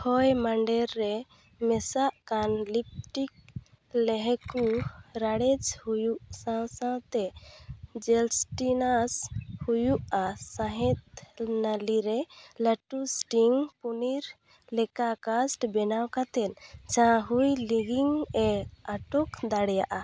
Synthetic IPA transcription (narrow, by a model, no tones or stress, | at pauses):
hɔjmaɳɖɛɾːɛ | mɛsaʔkanlip̚ʈik̚ | lɛɦɛkuɾaɽɛd͡ʒhujuʔsãsãt̪ɛ | d͡ʒɛlsʈinashujuʔasãɦɛt̪̚naliɾɛləʈusʈiŋpuniɾ | lɛkakasʈbɛnawkat̪ɛnt͡ʃãɦujliɡiŋɛaʈɔkd̪aɽjaʔa